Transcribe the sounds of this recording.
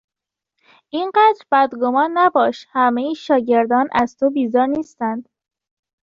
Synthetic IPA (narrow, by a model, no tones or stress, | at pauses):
ʔinɢæd̪ɾbæd̪ɡomɒːnːæbɒːʃhæmejiʃɒːɟe̞ɾd̪ɒːnʔæz̥t̪ʰobiːzɒːɾniːst̪ænd̪̥